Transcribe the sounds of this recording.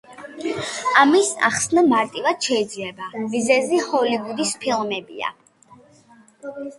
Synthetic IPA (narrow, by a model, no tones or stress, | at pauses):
amisa̰χsnamaɾt̪ʼivad̪̥ʃɛid̪zlɛbavizɛzihɔliɡud̪ispʰilˠmɛbḭa̰